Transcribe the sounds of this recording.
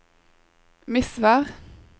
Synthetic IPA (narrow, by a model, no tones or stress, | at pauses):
mɪsʋæːʁ